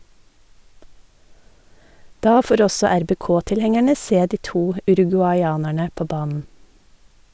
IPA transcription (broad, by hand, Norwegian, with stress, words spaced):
ˈdɑː ˈfoːɾ ˈɔsɔ æɾbeːˈkoːtɪlˌhɛŋæɳə ˈseː ˈdiː ˈtuː ʉɾʉɡʉɑʏˈɑːnæɳə ˈpoː ˈbɑːnn̩